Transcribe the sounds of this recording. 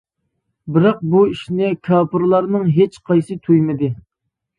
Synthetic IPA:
bɪɾɑq̚buiʃnɪkʲʰɑːpʰɨɾlˠɑɾnɨŋɦet͡ʃqʰɑjsɨt̪ʰujmɪd̪ɪ

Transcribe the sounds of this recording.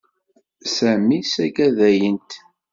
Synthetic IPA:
sæmisæɡæðæjənt̪

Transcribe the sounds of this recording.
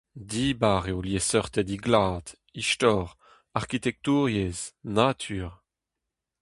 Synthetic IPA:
d̪iːbaːʁeoljesœʁt̪ɛd̪iɡlaːd̪̥ | iʃt̪ɔːʁ | aʁkit̪ɛk̚t̪uːʁjeznat̪ʰyːʁ

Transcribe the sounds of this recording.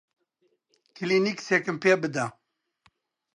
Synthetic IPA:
kiliniksekɨmpeːbɨd̪a

